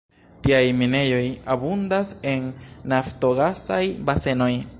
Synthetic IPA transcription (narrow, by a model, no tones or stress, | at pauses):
tiajmine̞jo̞jabundasenːafto̞ɡasa̰jbase̞no̞j